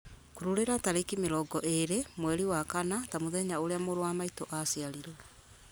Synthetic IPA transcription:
koɾuɾeɾataɾekimeɾɔɡɔʔeɾemwɛɾiwakanatamoðɛɲaoɾeamoɾowamaitoʔasiaɾiɾwɛ

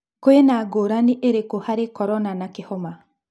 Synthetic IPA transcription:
koenaːɡoːɾaniʔeɾekohaɾekɔɾɔnanakehɔma

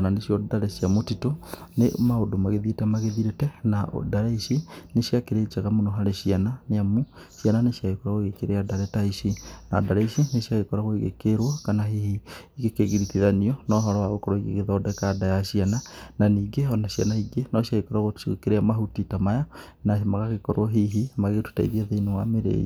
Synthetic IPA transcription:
ananeʃjɔdaɾɛʃiamotitonemaodomaɣeðiɾetɛmaɣeðiɾetɛnao̰daɾaiʃineʃiakeɾet͡ʃaɣamonoɦaɾeʃiananeamuʃiananeʃjaɣekɔɾaɣoɣekeɾeadaɾɛtaiʃinadaɾaiʃineʃiaɣekɔɾaɣoiɣḛkeɾwɔkanaɦihiiɣekeɣeɾiθiðaniɔnɔɦɔɾɔwaɣokɔɾɔiɣḛɣeðɔdɛkadajaʃianananiːɡeɔnaɕianaiɡenɔʃiaɣekɔɾaɣoiɣḛkeɾeamaɦutitamaja | naemaɣaɣekɔɾoɦiɦimaɣetu̥ta̰ḭɣiaðeinewameɾḛːḭ

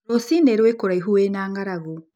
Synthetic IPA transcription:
osineɾwekoɾaiɦuwenaːŋɡaɾaɣu

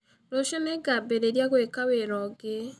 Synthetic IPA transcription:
noʃeneɡabeɾeɾjaɣwekaweɾɔɡe

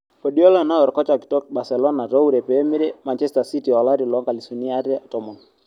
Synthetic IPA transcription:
pɔɗiɔlanaɔɾkɔt͡ʃaki̥tɔkɓasɛlɔnaɾɔuɾɛpɛmiɾɛmant͡ʃɛstasitiɔlaɾilɔŋɡalisuniaɾiatɔmɔn

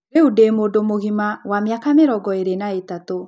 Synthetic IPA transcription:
eudemodomoɣimawamjakameɾɔɡɔeɾenaetato

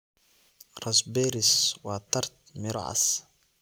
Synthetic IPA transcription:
ɾˤɑsbeɾiswat̪ɑɾˤt̪̚mɪɾʕa̰s

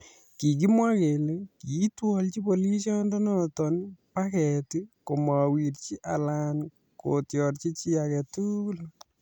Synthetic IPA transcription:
kik̬imwakelekitwɔlt͡ʃipoliʃɔndɔnɔtɔnpakɛtikomawiɾt͡ʃiʔa̰lan | kotjɔɾt͡ʃit͡ʃiakɛtukul

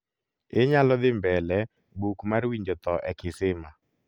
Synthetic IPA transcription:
ɪɲalɔd̪ɪmbɛlɛ | bukmaɾwiɲd͡ʒɔt̪ɔʔɛkɪsɪma

